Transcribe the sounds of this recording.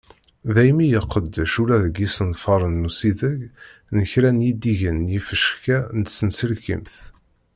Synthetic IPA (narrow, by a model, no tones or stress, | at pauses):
ðæjmijəqːəd̪ʃulæðəɡisənfɑɾˤənːusiðəɡnəçɾænjid̪iʝənjifəʃkænət̪sənsəlkə̰mθ